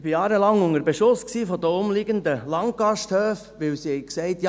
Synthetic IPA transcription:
b̥ijɑːɾəlɑŋʊŋəɾbeʃʊsksiːfɔd̪əʊmliɡənd̪əlɑŋtɡ̥ɑʃthøːfʋɪwsihɛɪksɛɪtjɑ

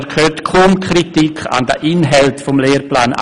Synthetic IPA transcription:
kʰøːtkʰuːmkʰritikʰa̰ndə̰ʔinɦɛltfɔmleːrplaːna̰

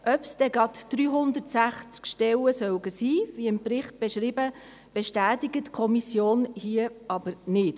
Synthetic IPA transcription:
ʔœpsd̥ɛɡɑtd̥ɾyːɦʊnd̪əɾtsæχt͡skʃtɛləsœwɡəsiːviɪmprɪχt̚b̥eʃɾiːbə | b̥eʃtæːtiɡətkʰɔmisjoːnhiəɑbəɾnɪt

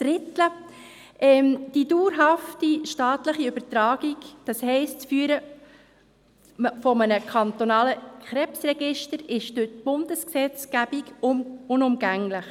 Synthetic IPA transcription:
d̥ɾɪt̪lə | ʔɛmd̥iduːɾɦɑftiʃtɑːt̪ləχiøb̥əɾtɾɑːɡ̥iɡd̥ɑshɛɪst͡sfyːɾə | fɔmənəkʰɑnt̪ɔnɑːləkχɾɛpsrɛɡɪʃtəɾɪʃd̥øtb̥ʊnd̥əsksɛt͡sɡ̥æb̥iɡʊnʊmɡæŋlɪχ

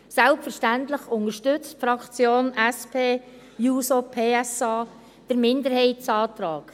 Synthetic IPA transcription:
sɛlpfəɾʃtæntlɪχʊnəʃtʏt͡stfɾɑkt͡sjoːnæspʰeː | juːsopʰeːɛsɑː | d̥əɾmɪndəɾhɛɪtsɑːt̪ɾɑːk

